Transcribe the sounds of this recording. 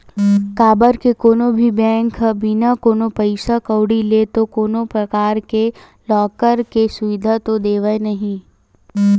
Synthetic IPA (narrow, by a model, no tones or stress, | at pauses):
kaːbəɾkekoːnõbʱibɛ̃ːŋkbinakoːnopɐɪsakɐwɽilet̪okoːnopɾɐkaːɾke | lɔːkəɾkesʊʋɪd̪ʱat̪od̪eːʋaenɐɦĩ